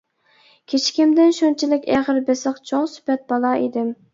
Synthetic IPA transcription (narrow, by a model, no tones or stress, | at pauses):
kʲʰet͡ʃʰkʲimd̪ɪnʃunt͡ʃʰilɪkʲɛχəɾbesəqt͡ʃʰoŋsy̥pɛt̪̚bɑlˠɑʔid̪ɪm